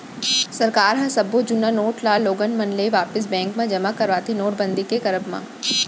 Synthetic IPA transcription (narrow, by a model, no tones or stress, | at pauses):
sɐɾkaːɾɦɐsɐbod͡ʒʊnanoːʈlaːlːoːɡənmɐnleʋaːpɪs̬bɛ̃ːŋkmãd͡ʒɐmakɐɾʋaːt̪enoːʈ̚bə̃nd̪ikekɐɾəbmã̰